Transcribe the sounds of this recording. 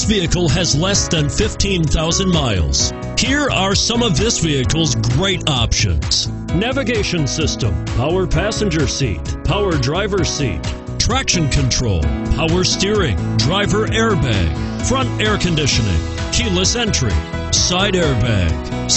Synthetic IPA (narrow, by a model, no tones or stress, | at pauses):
sviɨkl̩ˠɨzlɛsðɨ̃nfɪftʰĩnθaʊzɨ̃nmaɪlˠz̥ | hiɹə˞sʌ̃mʌvðɪsviɨkl̩ˠzɡɹeɪɾɑpʃɨ̰̃nz̥ | nævɨɡeɪʃɨ̃nsɪstə̰̃mpʰaʊə˞pʰæsɨ̃nd͡ʒə˞sḭt̚pʰaʊə˞dɹaɪvə˞sḭt̚ | tʰɹ̥ækʃɨ̃nkʰɨ̃ntʰɹ̥o̰ʊlˠpʰaʊə˞stɪɹɪ̰̃ŋdɹaɪvə˞ʔɛɹbæ̰ɡ̥ | fɹʌ̃ntɛɹkʰɨ̃ndɪʃɨnɪ̰̃ŋ | kʰilˠəsɛ̃nt͡ʃɹ̥ḭ | saɪɾɛɹbæ̰ɡ̥